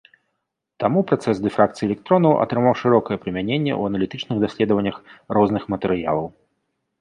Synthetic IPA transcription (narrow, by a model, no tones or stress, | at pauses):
t̪amupɾat̪sɛsd̪ɛfɾakt̪sɨjɛlʲɛk̚t̪ɾɔnɐwʔɐ̰t̪ɾɨmawʂɨɾɔkɐjɛpɾɨmʲanʲenʲːɛ̰ṵɐnɐlʲit̪ɨt͡ʂnɨɣd̪asʲlʲɛd̪əvɐnʲːɐxrɔznɨxmɐt̪ɛɾɨja̰lˠɐw